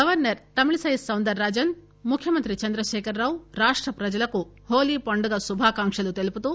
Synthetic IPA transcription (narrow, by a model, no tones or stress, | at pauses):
ɡɐʋɐɾnɐɾt̪ɐmiɭisɐjisːɐwnd̪ɐɾːaːd͡ʒɐn | mukʰjɐmɐnt̪ɾit͡ʃɐnd̪ɾɐʃɛːkʰɐɾːaːʋɾaːʂʈɾɐpɾɐd͡ʒɐlɐku | hoːliːpɐɳɖɐɡɐsubʱaːkaːŋʂɐlut̪elput̪u